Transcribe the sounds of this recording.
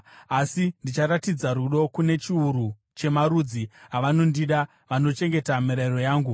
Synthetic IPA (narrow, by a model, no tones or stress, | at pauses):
asindit͡ʃaɾatid͡zaɾuɗo̞kune̞t͡ʃiuɾu | t͡ʃe̞maɾud͡ziɦaʋano̞ndiɗa | ʋano̞t͡ʃe̞ŋɡe̞tamiɾairo̞jaːŋɡu